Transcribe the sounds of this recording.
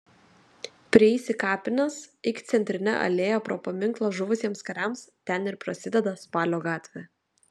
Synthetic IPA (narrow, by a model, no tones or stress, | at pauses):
pʲɾʲiɛiːsʲɪkɑːpʲɪnʲɐsɪkʲt̪sʲɛnʲt̪ʲɾʲɪnʲɛ̰ʔɐ̰lʲeːjopɾoːpɐmʲɪŋklˠɐʒʊʋʊsʲiɛmskɐɾʲæmst̪ʲɛnɪɾpɾɐsʲɪd̪ʲɛd̪ɐspɑːlʲoːɡɑːt̪ʲʋʲɛ